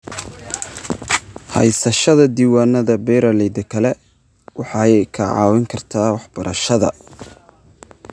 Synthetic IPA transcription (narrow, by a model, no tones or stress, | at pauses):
hɐ̰jsɐʃɐðɐd̪iːwaːnːɐðɐbɛjɾɐlɛjd̪ɐkʰɐlɛ | wʔɑħɑjkʰɐʕɑ̰ːwɪŋkʰɐrt̪ʰaːwɑħb̥ɐɾʔɐʃɐðɐ̰